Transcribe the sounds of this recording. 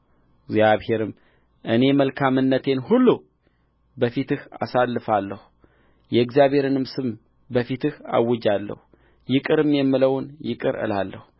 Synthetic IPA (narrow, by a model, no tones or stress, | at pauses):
ɡzijaβhe̞ɾɨm | ʔɨne̞məlkʰamɨnːət̪ʰe̞nhulːu | bəfit̪ɨha̰salːɨfalːəhu | jɛɡzjaβhe̞ɾɨnɨmsɨm | bəfit̪ʰɨha̰wːɨd͡ʒalːə̰hu | jɪkʼɨɾɨmjɛmːɨləwʊnjɪkʼɨ̰ɾɨ̰lalːə̰hu